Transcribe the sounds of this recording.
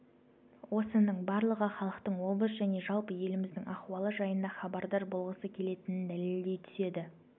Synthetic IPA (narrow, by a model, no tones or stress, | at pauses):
wo̞sənəɴbɑɾlˠəʁəχɑlˠəqt̪əɴwo̞bəsʒæne̞ʒɑlˠpəje̞lɪmɪzd̪ɪŋɑχwɑlˠəʒɑjənd̪ɑχɑbɑɾd̪ɑɾbo̞lˠʁəsəkʲʰe̞le̞t̪ɪnɪnd̪æleld̪e̞jt̪ʰʏ̥se̞d̪ɪ